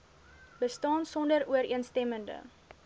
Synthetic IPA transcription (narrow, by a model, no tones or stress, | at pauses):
bəstɑːnsɔndəɾuəɾiənstɛməndə̰